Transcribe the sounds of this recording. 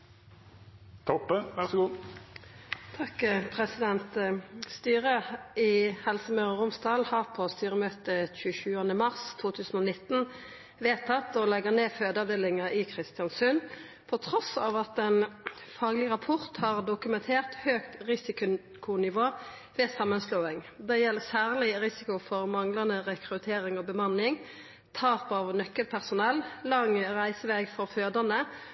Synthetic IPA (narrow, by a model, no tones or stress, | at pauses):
t̪ʰɔpːəʋæʁsɔɡuː | t̪ʰɑkpʰʁɛsɪd̪ɛnt̪st̪yːʁəɪhɛlsəmœʁəʁʊmsd̪ɑːlhɑʁpʰɔst̪yːʁəmøːt̪əçʉːəʃʉːɑnəmɑʁst̪ʰuːt̪ʰʉːsn̩ɔːnɪt̪ːn̩ | ʋeːt̪ʰɑt̪ːɔlɛɡəʁneːføːd̪ɑʋd̪eːlɪŋɑʔɪkʰʁɪst̪ɪɑnsʉn | pʰɔt̪ʰʁɔsɑːʋɑt̪ɛnfɑːɡlɪʁɑpʰɔʁt̪hɑʁd̪ʊkʉmɛnt̪ʰeːʁt̪høːkt̪ʁɪsɪkʊ | kʰʊnɪʋoː | ʋɛːsɑmːənsloːɪŋd̪ɛjɛlːəsæːʁlɪʁɪsɪkʊfɔʁmɑŋlɑnəʁɛkʁʉt̪ʰeːɾɪŋɔbəmɑnːɪŋ | t̪ʰɑːpoːʋənœkːəlpʰæʁsʊnɛlːlɑŋʁæɪsəʋɛɡfɔʁføːd̪ənə